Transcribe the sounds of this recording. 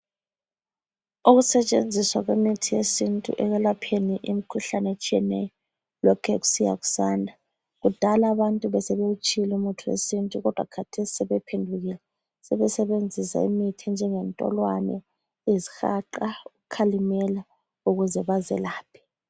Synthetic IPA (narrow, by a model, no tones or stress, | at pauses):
uɣusɛt͡ʃʼḛnd͡zʱiswaɣwemitʰijesintʼṵʔɛɣɛlapʰeniʔimikʰuɬanet͡ʃʼijɛnɛjɔ | lɔkʰɛɣu̥sija̰ɣu̥saːndʱa | ɣud̥ʱalaβantʼuβɛsɛβeut͡ʃʼilɛumutʰuḛsintʼuɣɔd̥ʱwa̰kʰatʰesi̥sɛβɛpʰendʱuɣilɛ | sɛβɛsɛβend͡zʱisa̰ḭmitʰɛnd͡ʒʱɛŋɛntʼɔ̰lwanɛ̰ | ezixaǃauɣukʰalimɛla | uɣuzɛβazɛ̰laːpʰi̥